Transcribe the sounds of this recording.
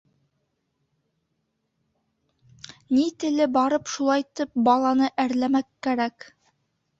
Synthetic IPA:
nit̪ɘ̆lɘbɑɾɤpʃulˠɑjt̪ɘp̚bɑlˠɑnɤʔæɾlæmækːæɾæk

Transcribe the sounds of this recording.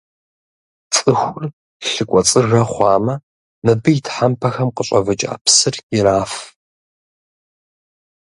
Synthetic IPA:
t͡sʼɨxʷʊr | ɬɨkʷʼɔt͡sʼɨrɐχʷɑːmɐ | mɨbɨjɪtħampʰɐxɐmqəɕʼɐvɨt͡ʃʼa̰ːpsɨrɪɾaːf

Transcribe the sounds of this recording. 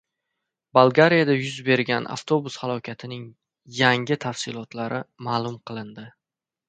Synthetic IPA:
balˠɡaɾijad̪ajʊzbe̞ɾɡʲanʔa̰ft̪ʰobʊshalˠɒkʲʰat̪ʰɪnɪŋ | jaŋɪt̪ʰafsɪlˠɒt̪ʰlaɾɪmaːlˠʊmqʰɨlˠɪnd̪ɪ

